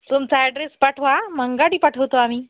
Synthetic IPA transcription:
t̪umt͡saɛɖɾespaʈʰʋaməŋɡaɽiːpaʈʰəʋt̪oamiː

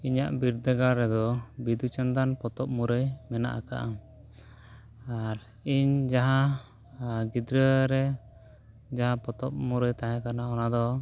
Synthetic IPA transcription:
iɲaʔbiɾd̪əɡaɾɛd̪ɔbid̪ut͡ʃand̪anpɔt̪ɔp̚muɾəjmɛna̰ʔaka̰ʔam | aɾ | iɲd͡ʒaɦa | ɡid̪ɾəɾɛ | d͡ʒaɦapɔt̪ɔp̚muɾəjt̪aɦɛ̃kanaɔnad̪ɔ

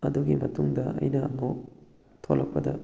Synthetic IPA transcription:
ɐduɡimɐtuŋdɐʔɐ̰jnɐɐmo | tʰolːɐk̚pɐdɐ

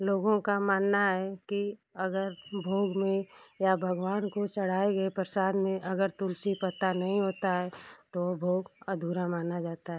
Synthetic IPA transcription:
loːɡõkamaːnːaɦɛkiɐɡəɾbʱoːɡmẽjabʱəɡwaːnkot͡ʃɐɽ̤aːeɡəepɾəsaːd̪mẽʔɐɡəɾt̪ʊlsipət̪anɐɦĩɦoːt̪aɦɛt̪obʱoːɡəd̪ʱuːɾamaːnad͡ʒaːt̪aɦɛː

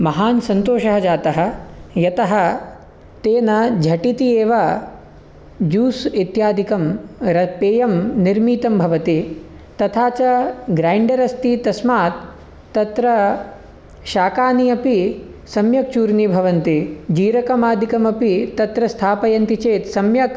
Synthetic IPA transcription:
mɐɦaːnsɐnt̪oːʃɐɦɐd͡ʒaːt̪ɐɦɐ̆jɐt̪ɐɦɐ | t̪eːnɐd͡ʒʱɐʈit̪ieːʋɐ | d͡ʒuːsit̪jaːd̪ʱikɐmɾɐpeːjɐmniɾmiːt̪ɐmbʱɐʋɐt̪i | t̪ɐt̪ʰaːt͡ʃɐɡɾaːjɳɖɐɾɐst̪it̪ɐsmaːt̪ː | ɐt̪ɾɐ | ʃaːkaːniɐpisɐmjɐk̚t͡ʃuːɾnibʱɐʋɐnt̪id͡ʒiːɾɐkɐmaːd̪ʱikɐmɐpit̪ɐt̪ɾɐst̪ʰaːpɐjɐnt̪it͡ʃeːt̪sɐmjɐk

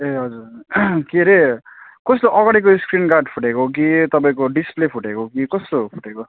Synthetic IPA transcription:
eɦʌd͡zurkiɾekʌsloʔʌɡaɽik̬oskrinkaɖpʰuʈekok̬it̪ʌpaĩkoɖisplepʰuʈekokikʌst̪opʰuʈeko

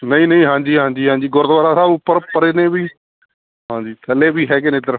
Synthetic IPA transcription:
nəĩːnəĩːɦãːɲd͡ʒiːɦãːɲd͡ʒiːɦãːɲd͡ʒiːɡʊɾd̪ʋaːɾaːsaːbʊpːəɾpəɾeːnẽːbiː | ɦãːɲd͡ʒiːt̪ʰəleːbiːɦɛːɡenẽːt̪̬əɾəf

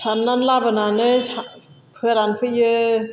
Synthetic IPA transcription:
sʰanːanlabɯnanɯsa | pʰɯɾanpʰɯjɯ

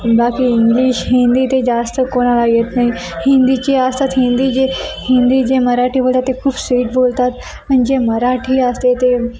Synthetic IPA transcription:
bakiːiŋɡliːɕɦĩnd̪iːt̪ed͡zast̪əkoɽ̃alaɡet̪naɦi | hind̪it͡ɕeəst̪at̪ɦĩnd̪iːd͡ʑehĩnd̪id͡ʑeməɾaʈʰiːbolt̪at̪ːekʰuːbsʋiːʈbolt̪at̪ | mənid͡ʑeməɾaʈʰiːəst̪et̪e

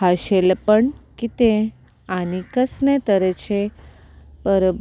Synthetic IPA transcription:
aʃelpəɳkit̪ẽ | anikəsnẽt̪əɾet͡ɕʰe | pəɾəb

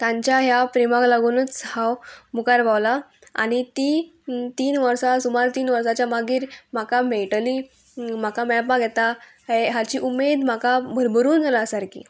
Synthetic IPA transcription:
t̪ãɲt͡ɕjaɦjapɾimaklaɡunət͡shawmukaɾbawla | a̰ñit̪iːt̪iːnʋəɾsasumaɾt̪iːnʋəɾsat͡ɕjamaɡiːɾm̤akameɭʈəliː | m̤akamɛɭpãɡʱɛt̪a | ɦeɦat͡ɕiːʔumed̪m̤akabʱəɾbəɾuːnd͡zʱalasaɾkḭː

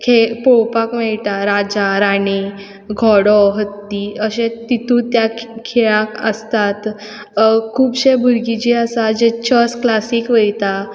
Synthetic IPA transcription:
kʰepowpakmɛɭʈ̪aɾad͡ʑaɾani | ɡʱɔɽɔɦət̪ːiəɕẽt̪it̪ũt̪jakʰeɭakə̰st̪at̪ | kʰuːbɕẽbʱuɾɡit͡ɕiəsad͡ʑet͡ɕəsklasiːkʋəjt̪a

